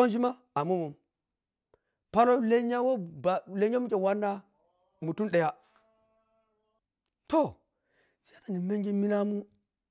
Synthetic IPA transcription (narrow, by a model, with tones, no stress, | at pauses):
o˦nd͡ʒi˦ma˦ | a˨mu˦mu˨m | pa˦no˦le˦ɲa˦wo˦ba˨le˦ɲa˦mu˦kʲʼe˨wa˦nːa˦ | mu˨tu˦nɗe˨ja˦ | to˦˨ | t͡ʃi˦ja˦na˨ni˨me˦ŋɡi˦mi˦na˦mu˦